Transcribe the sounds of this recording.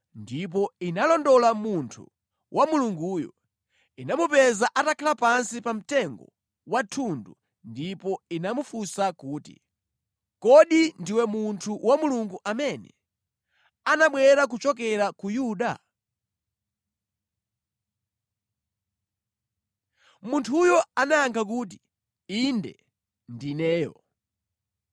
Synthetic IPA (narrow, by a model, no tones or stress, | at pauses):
ndip̬ɔinalɔndɔlamuntʰṵ | wʔamuluŋɡuːjɔ̰ | inamupɛzaʔatakʰalapansipam̩tɛŋɡɔ̰ | watʰundu | ndipɔinamufusakuːtḭ | kɔɗindiwɛmuntʰuwamuluŋɡuʔamɛnɛ̰ | anaɓwɛɾak̬ut͡ʃɔkɛɾakujuɗa̰ | muntʰujɔanajaŋkʰak̬uːt̬i̥ | indɛ̰ | ndinɛːjɔ̰